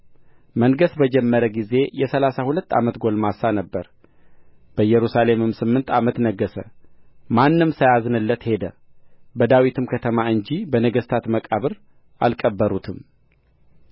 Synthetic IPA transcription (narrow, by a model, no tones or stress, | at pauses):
məŋɡəsbəd͡ʒɛmːəɾəɡize̞jɛsəlasahulət̪ːa̰mət̪ɡo̞lmasanəbːəɾ | b̥əjɛɾusale̞mɨmsɨmːɨnt̪ʰamət̪nəɡːəsə̰manːɨmsəjaznɨlːət̪he̞d̪ə | bəd̪awit̪ʰɨmkʰət̪ʰəmaɨɲd͡ʒibənəɡəst̪ʰat̪məkʼaβɨɾ | ʔa̰lkʼəbːəɾut̪ʰɨm